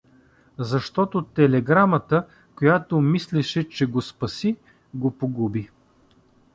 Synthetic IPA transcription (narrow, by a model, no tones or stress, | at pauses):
zɐʃt̪ɔt̪ot̪ɛlɛɡɾamət̪ə | kojat̪omislɛʃɛt͡ʃɛɡospɐsi | ɡopoɡubi